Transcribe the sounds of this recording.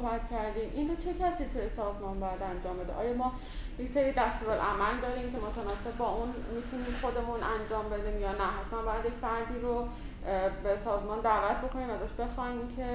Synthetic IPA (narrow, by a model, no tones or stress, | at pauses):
bæt̪cʰæɾd̪iːmʔinrot͡ʃʰe̞cʰæsiːt̪ʰujesɒːzmɒːnbɒːjæd̪ænd͡ʒɒːmbe̞d̪eʔɒ̰ːjɒːmɒː | jecseɾiːd̪æst̪uɾolʔæmæld̪ɒːɾiːmcʰe̞mot̪ʰænɒːse̞b̚ːɒːun | mit̪ʰuniːmxo̞d̪e̞munænd͡ʒɒːmbe̞d̪iːmjɒːnæɦæt̪ʰmænbɒːjæd̪jekʲfæɾd̪iːɾo | besɒːzmɒːnd̪ævæt̪̚ʰbo̞kʰo̞niːmæzɒːʃbe̞xɒːimcʰe̞